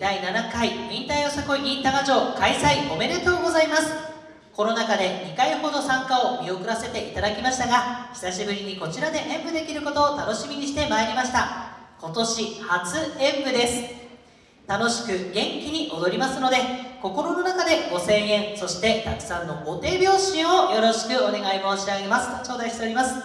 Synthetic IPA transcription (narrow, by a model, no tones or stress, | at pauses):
d̪ainanakaimʲĩnt̪aiosakoĩnt̪aɡad͡ʑo̞ːkaisaiɡo̞me̞ɾet̪o̞ːɡo̞zaimasɨ̥ | ko̞no̞nakad̪e̞ɲ̟ikaiho̞d̪o̞sãŋkaomʲio̞kɯ̟ɾase̞t̪e̞ʔit̪ad̪akʲimaɕi̥t̪aɡaçʲi̥saɕibɯ̟ɾʲiɲ̟iko̞t͡ɕiɾad̪e̞ʔẽ̞mbɯ̟d̪e̞kʲiɾɯ̟ko̞t̪o̞ːt̪ano̞ɕimʲiɲ̟iɕ̬it̪e̞maiɾʲimaɕi̥t̪ako̞t̪o̞ɕihat͡sɨẽ̞mbɯ̟d̪e̞sɨ̥ | t̪ano̞ɕi̥kɯ̟ɡẽ̞ŋkʲiɲ̟iʔo̞d̪o̞ɾʲimasɨno̞d̪e̞ko̞ko̞ɾo̞no̞nakad̪e̞ɡo̞sẽ̞ɰ̃ẽ̞ɰ̃so̞ɕi̥t̪e̞t̪akɯ̟̥sãnːo̞ɡo̞t̪e̞ːbʲjo̞ːɕĩɰ̃o̞jo̞ɾo̞ɕi̥kɯ̟o̞ne̞ɡaimo̞ːɕiaɡe̞masɨ̥t̪ot͡ɕo̞ːd̪aiɕit̪e̞oɾʲimasɨ̥